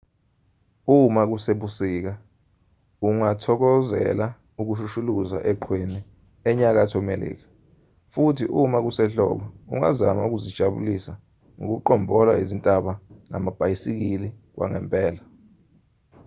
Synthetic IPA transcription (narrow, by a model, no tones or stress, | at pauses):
umak̬useɓusiːk̬a | uŋatʰɔk̬ɔzɛ̰la | uk̬uʃuʃuluza̰ʔɛǃʰweni | ɛɲak̬atʰɔmelḭːk̬ḁ | futʰiʔumak̬usɛɬɔ̰ːɓɔṵŋa̰zamauk̬uzid̥ʒ̥ʱaɓṵlisa | ŋo̰k̬uǃɔmbʱɔlaizintʼaɓaŋa̰mab̥ʱajisik̬ili | k̬wʔa̰ŋɛmpʼɛːla